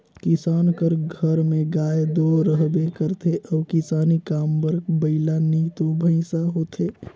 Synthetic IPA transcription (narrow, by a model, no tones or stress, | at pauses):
kɪsaːnkəɾɡʱəɾmẽɡaːed̪oɾəɦbekəɾt̪ʰeʔɔːkɪsaːnikaːmbəɾɡbəɪlanit̪obʱə̃ɪ̃saɦot̪ʰe